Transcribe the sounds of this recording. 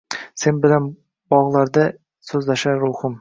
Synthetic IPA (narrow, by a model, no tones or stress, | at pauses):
senbɪlan | bɒʁlˠaɾd̪a | sɵzlaʃaɾʊhʊm